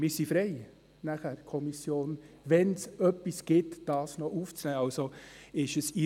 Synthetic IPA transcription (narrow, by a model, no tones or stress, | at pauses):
mɪɾsifɾɛɪ | næχæɾkʰɔmisjoːn | ʋɛnsœpːisɡ̥ɪtd̥ɑːsnɔʔuːft͡snɛːɑlsoɪʃəsi